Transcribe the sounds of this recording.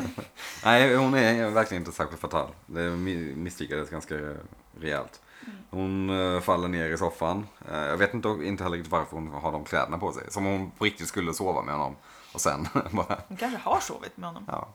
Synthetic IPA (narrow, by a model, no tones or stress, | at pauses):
nʔæɪhʊnæɾvæɾkʰlɪənɪt̪əsæɾɧɪlt̪fat̪ʰɑ̰ːld̪ɛmɪsfyːkadəsɡanska | ɾɛɛ̰lt̪ | hʊnfalːəɳeːɾɪsɔfːanjɑːɡveːt̪ɪnt̪əɪnt̪əhɛəɾɪk̪t̪ɪt̪vaɾfœɾhʊnɦaɖɔmkʰlɛ̰ːd̪ənapʰɔsɛ̰jsɔmhʊnpʰɔɾɪk̚t̪ɪt̪skɵlːəsoːva̰mɛ̰hɔnːɔ̰m | ʔɔsɛ̰nbɑːɾahʊnkʰanʂəhaʂo̰ːvɪ̰t̪mɛhɔnːɔ̰mʔɑ̰ː